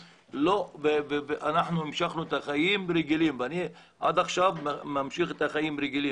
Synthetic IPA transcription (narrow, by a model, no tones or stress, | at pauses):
loveveveʔanaħnuimʃaχnuet̪aχajimɾeɡilimvani | ʕa̰d̪aχʃavmamʃiχet̪aχajimɾeɡilim